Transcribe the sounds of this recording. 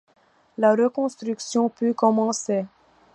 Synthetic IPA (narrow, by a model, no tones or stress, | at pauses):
laʁəkɔ̃st̪ɾyksjɔ̃pykɔmɑ̃se